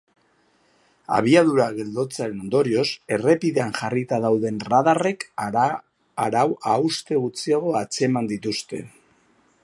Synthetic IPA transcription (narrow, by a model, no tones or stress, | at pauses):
a̰β̞iað̞uɾaɣe̞ld̪o̞t͡saɾe̞no̞nd̪o̞ɾio̞se̞re̞piðe̞anʝarit̪að̞awðe̞nrað̞are̞k | aɾawawst̪e̞ɣut͡siaɣ̞o̞at͡se̞mand̪it̪ust̪e̞̰